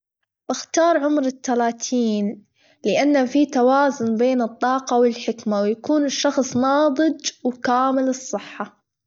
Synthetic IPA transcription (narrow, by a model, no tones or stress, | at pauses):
b̥ɪxt̪ɑːɾˤʕʊmɾɪt̪ːalaːt̪ʰiːn | lɪʔanːafit̪awaːzʊnbeːnɨt̪ˤːɑːqɑwɪlħɪkmawjakuːnɪʃːɑxsˤnɑːðˤɨd͡ʒwkaːmɪlɨsˤːɨħːa